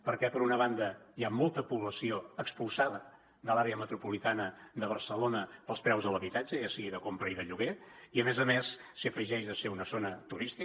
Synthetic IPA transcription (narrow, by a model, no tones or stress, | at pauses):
pəɾkɛpəɾunəβand̪əjamolˠt̪əpuβləsioəkspulˠsaðə | d̪əlaɾeəmət̪ɾupulit̪anəd̪əβ̞əɾsəlonəpəlˠspɾɛwzðələβit̪ad͡ʒəjasiɣiðəkompɾəiðəʎuɣeiəmezəmesːiəfəʒɛʃðəseunəzonət̪uɾist̪i